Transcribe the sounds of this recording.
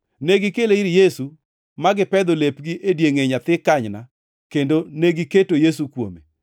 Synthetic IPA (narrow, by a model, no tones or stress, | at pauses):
neɡɪkeleiɾjesu | maɡɪpɛd̪olepɡiʔedjeŋeɲat̪ɪkːaɲna | kendoneɡiketojes̬ukwomḛ